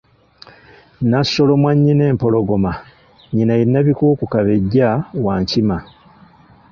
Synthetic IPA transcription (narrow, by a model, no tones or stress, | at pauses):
nasːo̞lo̞mwaɲːine̞ːmpo̞lo̞ɡo̞ma | ɲinajinːaβikuːkukaβe̞ɟːawaːɲcima